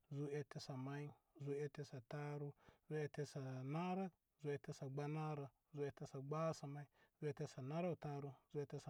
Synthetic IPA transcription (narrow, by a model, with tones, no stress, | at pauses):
zu˦e˦te˦sa˨ma˦i˦ | zu˦e˦te˦sa˨ta˦ɾu˦zu˦e˦te˦sa˨na˦ɾa˦ | zu˦e˦te˦sa˨ɡ͡ba˦na˦ɾa˨ | zu˦e˦te˦sa˨ɡ͡ba˦sa˨ma˦i˦zu˦e˦te˦sa˨na˦ɾa˦u˨ta˦ɾu˦zu˦e˦te˦sa˨